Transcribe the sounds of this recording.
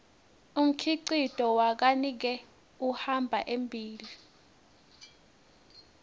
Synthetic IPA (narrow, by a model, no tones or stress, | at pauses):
um̩kʰiǀid̥ʱɔwak̬anik̬ɛ | uhambʱaʔembʱiːli